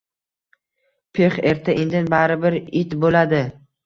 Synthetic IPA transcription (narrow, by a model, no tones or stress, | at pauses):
pʰeχeɾt̪ʰaʔend̪ɪnbaɾɪbɪɾɪt̪bolad̪ɪ